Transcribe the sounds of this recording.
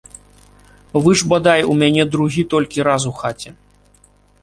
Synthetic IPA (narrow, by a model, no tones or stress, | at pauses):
vɨʐbad̪ajumʲanʲɛd̪ɾuɣʲit̪ɔlʲkʲiɾas̬uxat͡sʲɛ